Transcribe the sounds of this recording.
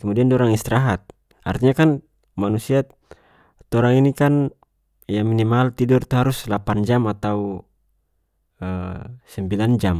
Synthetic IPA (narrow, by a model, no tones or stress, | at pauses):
kəmudiandɔɾaŋist̪ɛɾaɦat̪̚ | a̰rt̪iɲakan | manusia | t̪ɔɾaŋinikan | jaminimalt̪idurt̪uɦaɾuslapand͡ʒamat̪au | əsɛmbiland͡ʒam